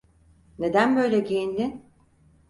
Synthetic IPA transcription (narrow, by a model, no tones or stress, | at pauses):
ne̞d̪ænbø̞jlʲɛɟijinlʲin